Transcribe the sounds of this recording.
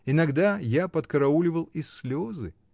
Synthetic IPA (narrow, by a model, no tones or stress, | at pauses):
ɪnɐɡd̪ajapət̪kɐɾɐulʲɪvəlˠɪsʲːlʲozɨ